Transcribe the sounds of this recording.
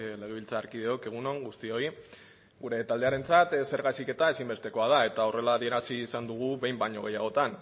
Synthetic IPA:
le̞ɣe̞β̞ilt͡saːɾkiðeo̞ke̞ɣ̞uno̞ŋɡust̪io̞i | ɡuɾe̞t̪ald̪e̞aɾe̞nt͡sat̪se̞ɾɣasike̞t̪aesimbe̞st̪e̞ko̞að̞ae̞t̪ao̞re̞laːðie̞ɾasiːsand̪uɣ̞uβe̞jmbaɲo̞ɣ̞ejaɣ̞o̞t̪an

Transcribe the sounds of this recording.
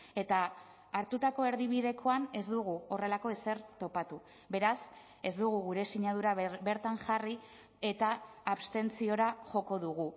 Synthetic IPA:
e̞t̪aː | ɾt̪ut̪ako̞e̞ɾðiβiðe̞kʰo̞ane̞zd̪uɣuo̞re̞lako̞e̞se̞ɾt̪o̞pat̪u | be̞ɾas | e̞zd̪uɣ̞uɣuɾe̞siɲað̞uɾabe̞ɾt̪aŋʝari | e̞t̪aː | βst̪e̞nt͡sio̞ɾaʝo̞ko̞ðuɣu

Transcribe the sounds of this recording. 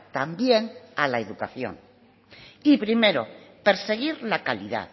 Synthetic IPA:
t̪ambje̞nalaeðukaθjõ̰n | ipɾime̞ɾo̰pe̞ɾse̞ɣiɾlakaliða̰ð

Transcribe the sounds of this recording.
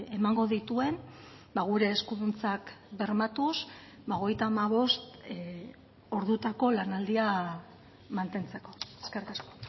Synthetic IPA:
e̞maŋɡo̞ðit̪ue̞n | baɣ̞uɾe̞ːskuðunt͡sakbe̞ɾmat̪us | baoɣe̞jt̪aːmaβ̞o̞st̪ | o̞ɾðut̪ako̞lanald̪ia | mant̪e̞nt͡se̞ko̞e̥skerikasko̥

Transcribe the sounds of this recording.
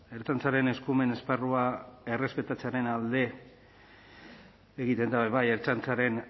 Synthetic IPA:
e̞ɾt͡sant͡saɾe̞ne̞skume̞ne̞sparuae̞re̞spe̞t̪at͡seaɾe̞nald̪e̞ | eɣit̪e̞nd̪aβeβaje̞ɾt͡sant͡saɾe̞n

